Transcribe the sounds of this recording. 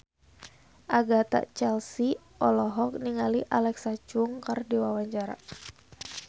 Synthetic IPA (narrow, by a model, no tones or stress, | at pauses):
ʔaɡat̪a̰ʔt͡ʃɛlsi | ʔɔlɔɦɔk̚niŋaliʔalɛksat͡ʃʊŋkardiwawaɲt͡ʃaɾa̰